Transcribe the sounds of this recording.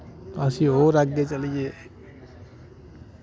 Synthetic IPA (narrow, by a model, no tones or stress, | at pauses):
əsiɦoɾaɡd̪et͡ʃəlie